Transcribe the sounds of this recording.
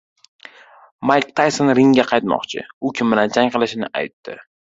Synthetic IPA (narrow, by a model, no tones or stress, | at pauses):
majkʲt̪ʰajsonɾɪŋɡʲaqʰɑjt̪mɒ̰qt͡ʃʰɪ̰ʊkʲʰɪmːɪnant͡ʃʰaŋqʰɨlɪʃɪnɪa̰jt̪ːɪ